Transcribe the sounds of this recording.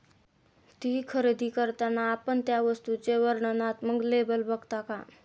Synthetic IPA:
t̪iːkʰəɾed̪ʱikəɾt̪anaːpəɳt̪jaʋəst̪ut͡seʋəɾɳənat̪məɡlebəlbʱəɡt̪aka

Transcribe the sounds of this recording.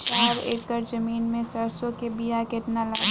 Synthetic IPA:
t͡ʃaːɾḛːkəɾd͡ʒɐmiːnmẽsɐɾsõkebijakeʈnalaː

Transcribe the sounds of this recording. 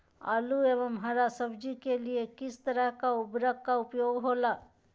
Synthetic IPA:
a̰lueːʋəmɦaːɾasəbd͡ʒikeliekɪst̪əɾəɦkaʊbɾəkkaʊpjoːɡɦoːlaː

